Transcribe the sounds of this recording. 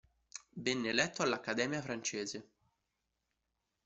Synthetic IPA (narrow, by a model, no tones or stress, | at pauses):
bɛnːelɛt̪ːoalːakːad̪ɛːmjafɾant͡ʃeːze